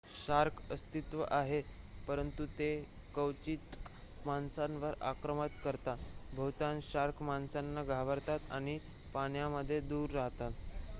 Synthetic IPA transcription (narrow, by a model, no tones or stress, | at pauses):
ɕaɾkʰəst̪it̪ʋə̰ʔaɦe | pəɾənt̪ut̪e | kəwt͡ɕiːt̪ | mansanʋəɾa̰kɾəmət̪kəɾt̪abʱəwt̪anɕaɾkʰmansanːaɡʱaʋəɾt̪at̪a̰ɽ̃i | paɳjaməd̪ʱːjed̪uːɾːaɦt̪at̪